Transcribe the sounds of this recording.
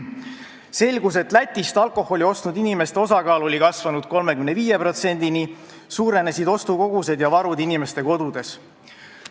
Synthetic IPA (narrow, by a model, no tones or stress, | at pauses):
se̞lʲɡus̬e̞t̪ːˑlæt̪ʲːˑist̪ɑlkˑo̞ho̞lʲio̞st̪nud̪inime̞st̪e̞o̞sɑkɑːlo̞lʲikɑsvɑnud̪̥̚ko̞lme̞kymneviːje̞pro̞t̪se̞nʲd̪̥ini | suːɾe̞nesid̪o̞st̪uko̞ɡ̥use̞d̪jɑvɑɾud̪inime̞st̪e̞ko̞d̪̥ud̪̥e̞s